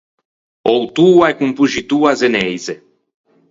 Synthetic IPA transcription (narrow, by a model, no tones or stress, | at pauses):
owt̪uaekumpuʒit̪uazenɛjze